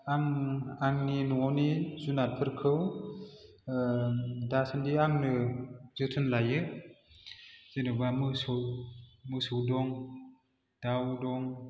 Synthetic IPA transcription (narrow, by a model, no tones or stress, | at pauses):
aŋaŋninuɔnizunat̚pʰɯɾkʰɯw | dasɯndiaŋnɯz̥ɯtʰɯnlajɯ | zenɯbamɯsɔ | mɯsuwdɔŋ | d̥awdɔŋ